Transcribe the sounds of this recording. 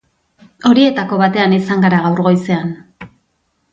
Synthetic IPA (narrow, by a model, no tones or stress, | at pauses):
o̞ɾie̞t̪ako̞βat̪e̞anisaŋɡaɾaɣawɾɣo̞jse̞an